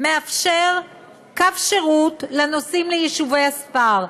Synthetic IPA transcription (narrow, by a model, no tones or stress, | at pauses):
meafʃeʁ | kafʃeʁutlanosimlejeʃuvejaspaʁ